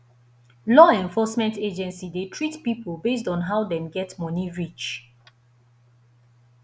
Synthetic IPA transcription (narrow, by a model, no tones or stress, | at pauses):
lɔɛ̃ɱfɔsmɛ̃nted͡ʒɛ̃nsidetʰɹitpipolbes̬tɔ̃nɦawdɛ̃mɡɛtmɔniɹit͡ʃ